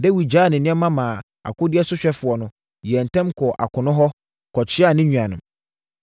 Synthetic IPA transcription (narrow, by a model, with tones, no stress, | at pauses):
dɛ˦wi˨d͡ʑaː˦˨nɪ̃˨nɪ̃˦ɛ˦mã˦mãː˨ | a̰˨kʊ˦dɪ˦ɛ˦sʊ˦ɕᶣɛ˦fʊ˨ɔ˨nʊ̃˨˦ | jɛ˨n̩˨tʰɛ̃˦mkʰɔ˨ʔa˨kʰʊ̃˨nʊ̃˦ɦɔ˦ | kʰɔ˨t͡ɕʰɪ˦a˦˨nɪ̃˦ɲᶣũ˨ã˨nʊ̃˨m